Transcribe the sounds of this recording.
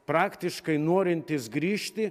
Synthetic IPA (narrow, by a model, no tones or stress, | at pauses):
pɾɑːkt̪ʲɪʃkɐɪnoɔɾʲɪnʲt̪ʲɪsɡɾʲiːʃʲt̪ʲɪ